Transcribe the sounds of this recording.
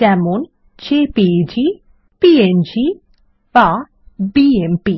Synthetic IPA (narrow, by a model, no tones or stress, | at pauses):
d͡ʒɛmun | t͡ʃepid͡ʒi | piend͡ʒi | ba | biempi